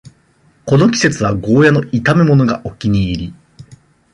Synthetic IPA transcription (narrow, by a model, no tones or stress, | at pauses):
ko̞no̞kʲi̥se̞t͡sɨβaɡo̞ːjano̞it̪ame̞mo̞noɡaʔo̞kʲiɲ̟iːɾʲi